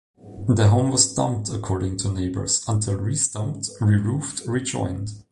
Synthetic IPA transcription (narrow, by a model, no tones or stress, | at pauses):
ðəɦõʊ̃mwʌzdʌ̰̃mp̚tʰəkʰɔɹɾɪ̃ŋtʰuneɪbə̰˞z̥ə̃ntʰɪlˠɹisdʌ̃mp̚tɹiɹuftɹid͡ʒɔ̰̃ɪ̃nd̥